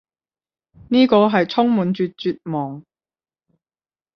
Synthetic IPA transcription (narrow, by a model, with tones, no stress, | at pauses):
niː˥kɔː˧ɦɐ˨jt͡sʰʊ˥ŋmuː˨nt͡ʃyː˧t̚t͡ʃyː˧t̚mɔː˨˩ŋ